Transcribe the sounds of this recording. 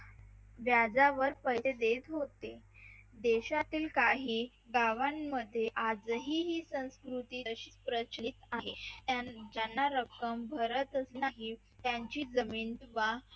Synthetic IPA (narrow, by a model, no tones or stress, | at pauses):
ʋjad͡zaʋəɾpəjsed̪et̪ɦot̪ed̪eɕat̪iːlkaɦiː | ɡaʋanməd̪ʱːjeʔad͡zɦiːɦiːsə̃w̃skɾut̪iːəɕispɾət͡ɕnit̪aɦead͡ʑanːaɾəkəmbʱəɾət̪əsnaɦi | t̪jaɲt͡ɕiːd͡zəmiːnt̪ʋa